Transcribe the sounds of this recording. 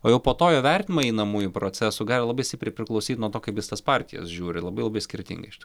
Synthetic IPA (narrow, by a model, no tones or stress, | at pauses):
oːjɛʊpoːt̪oːjoːʋʲɛrʲt̪ʲnʲɪmɐːɛɪnɐmuːjʊpɾot͡s̪ʲæsʊɡɑːlʲɪlˠɐbɐɪsʲt̪ʲɪpʲɾʲɪpʲɾʲɪklˠɐʊsʲiːt̪nuɔt̪oːkɐɪpjɪst̪ɐspɑɾʲt̪ʲɪjɛ̰sʒʲuːɾʲɪlˠɐbɐɪlˠɐbɐɪsʲkʲɪɾʲt̪ʲɪ̰ŋɡɐɪʃʲɪt̪ː